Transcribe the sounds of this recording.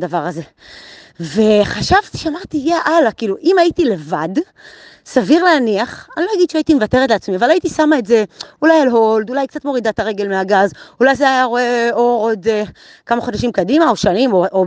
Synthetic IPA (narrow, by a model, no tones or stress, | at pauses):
davaʁaze̞ | veχaʃavt̪i̥ʃamaʁt̪ijeʔalakiːluʔimaitile̞va̰d | saviʁleaniaχanilojaɡid̪ʃeait̪imevate̞ʁetleat͡smiavalait̪isamaetze̞ulajalɦo̞ld̪ulajkt͡sat̪mo̞ʁid̪at̪aʁe̞ɡe̞lmeaɡazulajzeajaʁo̞e̞oʁo̞d̪e | kamaχodaʃimkadimaoʃanimoo